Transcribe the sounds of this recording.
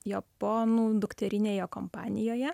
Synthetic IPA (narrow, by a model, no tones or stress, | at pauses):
jɛpoːnuːd̪ʊkt̪ʲɛɾʲɪnʲeːjoːkompɑːnʲɪjoːjɛ